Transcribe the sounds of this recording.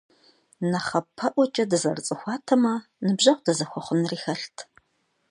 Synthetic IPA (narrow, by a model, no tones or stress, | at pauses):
nɐχɐpʰɐʔʷɔt͡ʃʼɐdɨzɐrt͡sʼɨxʷɑːtʰɐmɐ | nɨbʒɐqʷd̥ɐzɐxʷɔχʷʊnriːxɐɬtʰ